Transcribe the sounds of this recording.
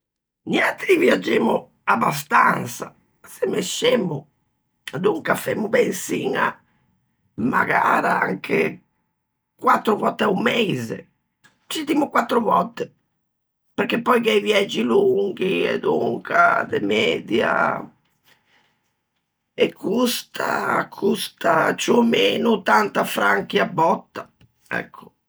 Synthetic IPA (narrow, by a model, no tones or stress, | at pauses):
ɲjant̪eiviad͡ʒːeːmu | abːas̬t̪ant̪sa | sɛmːeʃemːʊ | ad̪uŋkafemːʊbɛnsiŋa̰ | maɡaːɾaaŋkʰe | kwat̪ːɾʊvɔt̪ːɛumːezḛ | t͡ʃit̪imʊkwat̪ːɾʊvɔt̪ːe | peɾk̟epːɔjkɛjvjɛd͡ʒːiluŋɡ̟iɛ̰d̪uŋkʰad̪emɛːd̪ja̰ | ekʰːust̪ʰa̰kʰust̪at͡ʃumeːnut̪ant̪afɾaŋk̟iabːɔt̪ːa | ɛ̰kʰːʊ̥